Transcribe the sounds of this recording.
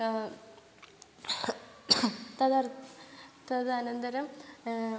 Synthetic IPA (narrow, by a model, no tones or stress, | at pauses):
t̪ɐðɐr | t̪ɐðɐnɐnd̪ɐɾɐm